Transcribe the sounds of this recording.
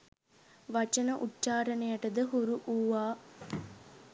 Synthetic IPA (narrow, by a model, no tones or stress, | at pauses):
ʋɐt͡ʃənəʔutːt͡ʃaːɾɐnejaʈəd̪əɦuɾuʔuːʋaː